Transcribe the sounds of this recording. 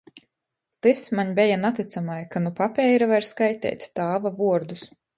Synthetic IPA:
t̪ɨsmaɲbʲɛjanat̪it̪samajkanupapʲɛjɾavaɾskajt̪ʲɛ̰ːt̪ʲːaːvavuɔɾd̪us

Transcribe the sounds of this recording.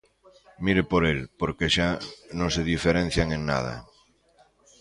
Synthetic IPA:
miɾepoɾelpoɾkeʃanõŋseð̞ifeɾẽn̟θjaŋeŋna̰ð̞a̰

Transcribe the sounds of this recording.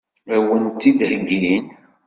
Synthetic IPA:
æwənt̪ːid̪hɡin

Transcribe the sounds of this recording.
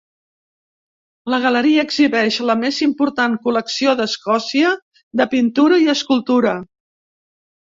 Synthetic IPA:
ləɣ̞ələɾiəːɡziβɛʃləmezimpuɾt̪aŋkuləksioðəskɔsiə | d̪əpint̪uɾəiəskulˠt̪uɾə

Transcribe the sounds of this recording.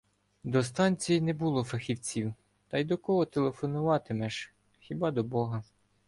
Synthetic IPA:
d̪ɔst̪ɑnʲt͡sʲijinɛbulˠɔfɐxʲiwt͡sʲiw | t̪ɑjd̪ɔkɔɦɔt̪elˠefɔnʊʋɑt̪ɪmɛʒ | xʲibɑd̪ɔbɔɦɐ

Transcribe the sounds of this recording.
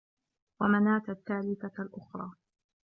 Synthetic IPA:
wamanaːt̪at̪ːaːlɪθalʔʊxɾˤɑː

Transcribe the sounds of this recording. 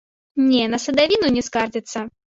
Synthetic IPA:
nʲɛnɐsɐd̪avʲinunʲɛskard͡zʲɪt̪sːɐ

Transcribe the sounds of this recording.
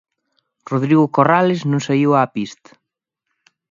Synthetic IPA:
roðɾiɣʊkoralɪznũŋsaiwaːpist̪ḁ

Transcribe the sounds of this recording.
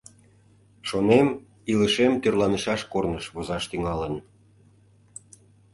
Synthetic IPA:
ʃonem | iləʃemt̪ørlɑnəʃɑʃkornəʃβozɑʃt̪yŋɑlən

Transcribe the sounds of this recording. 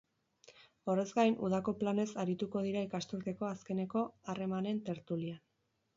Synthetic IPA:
o̞re̞zɡajnuð̞ako̞plane̞saɾit̪uko̞ð̞iɾaikast̪uɾt̪e̞ko̞aske̞ne̞ko̞are̞mane̞nt̪e̞ɾt̪ulian

